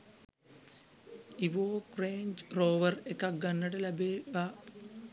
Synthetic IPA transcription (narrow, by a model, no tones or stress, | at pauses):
iʋoːkreːɲd͡ʒroːʋɐrekːɐɡɐnːɐʈɐlɐbeːʋa